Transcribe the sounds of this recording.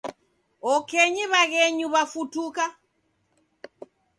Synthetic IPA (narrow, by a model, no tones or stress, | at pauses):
ɔkɛɲiβaɣɛɲuβafutuka